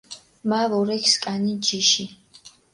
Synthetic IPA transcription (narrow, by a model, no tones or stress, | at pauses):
malɔɾɛkʰskʼanid͡ʒiʃi